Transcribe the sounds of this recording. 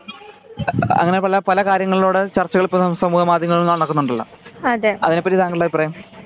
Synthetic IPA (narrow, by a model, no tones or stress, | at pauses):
ɐ̰ŋːɐnepɐlɐpɐlɐkaːɾjɐŋːɐɭiloːɽet͡ɕɐrt͡ɕːɐɣɐɭipːɐsɐmuːhɐmaːd̪ʱjɐŋːɐɭonːaːɳnokːunːuɳɖɐɭːɐ̰ | ɐðeɐ̰ðine̞pːɐtːit̪aːŋɡiɭlaːiprɐjɐm